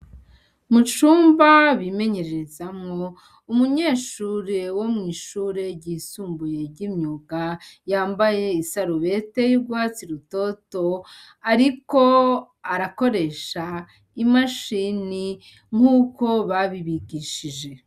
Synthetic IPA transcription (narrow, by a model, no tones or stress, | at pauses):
mut͡ʃuːmbaβime̞ɲe̞ɾeɾezamŋo̞ | umuɲe̞ːʃuːɾe̞womŋiːʃuːɾe̞ɟiːsuːmbuje̞ɾɟimɲuɡajaːmbaje̞isaɾuβe̞te̞juɾɡwaːt͡siɾuto̞to̞ | aɾiko̞ | aɾako̞ɾe̞ʃa | imaʃini | ŋ̥uːko̞βaβiβiɡiːʃiʒe̞